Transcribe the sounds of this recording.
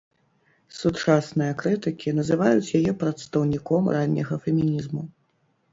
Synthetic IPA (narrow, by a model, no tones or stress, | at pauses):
sut͡ʂasnɨjɐkɾɨt̪ɨkʲinɐzɨvajut͡sʲjajɛpɾɐt̪st̪ɐwnʲikɔmranʲːɐ̰ɣɐfʲɛmʲinʲizmu